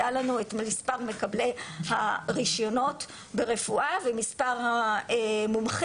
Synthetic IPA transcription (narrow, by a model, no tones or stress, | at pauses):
alanuetmispaʁme̞kablehaʁiʃjono̞t | beʁe̞fuʔavemispaʁhaemumχ